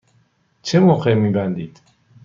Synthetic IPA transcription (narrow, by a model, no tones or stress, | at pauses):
t͡ʃʰemoqemiːbænd̪iːd̪̥